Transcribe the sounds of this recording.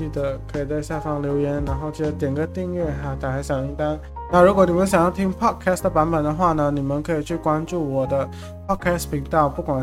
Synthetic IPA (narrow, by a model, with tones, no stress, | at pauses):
i˥˩d̪ə˩˦kʰɤ˧˥i˨˩t͡sa˥˧ɪɕja˥˩fɑ˥˩ŋljo˧˥ʊjɛ˧˥nɻa˧˥nxo˥˧ʊt͡ɕi˥˩d̪ə˧˦t̪jɛ˨˩nɡə˥t̪i˥˧ŋɥɛ˥˩ɦa˧˥˧t̪a˨˩xa˧˥ɪɕjɑ˨˩ŋi˥˧ŋt̪a˥ŋ | na˥˩ɻu˧˥kwɔ˧˦ni˨˩mə˦nɕ̬jɑ˨˩ŋjɑ˥˩ʊt̪ʰi˥ŋpʰɑ˥˩t̚kʰa˥sd̪ə˩pa˧˥npə˨˩nd̪ə˦xwa˥˩nə˩ni˨˩mə˦nkʰɤ˧˥i˨˩t͡ɕʰy˥˩kwa˥nʈ͡ʂu˥˩wɔ˨˩d̪ə˦ | pʰɑ˥˩d̚kʰɛ˥spʰi˧˥ŋt̪ɑ˥˩ʊpu˥˩kwa˨˩n